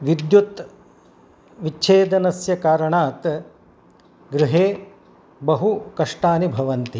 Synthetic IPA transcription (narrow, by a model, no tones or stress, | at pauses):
ʋid̪jut̪ | ʋit͡ʃʰeːd̪ɐnɐsjɐkaːɾɐɳaːt̪ | ɡɾiɦeː | bɐɦukɐʂʈaːnibʱɐʋɐnt̪i